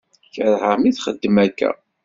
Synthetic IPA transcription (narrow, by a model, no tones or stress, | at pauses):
çəɾˤhəmiθχəd̪ːəmækːæ̰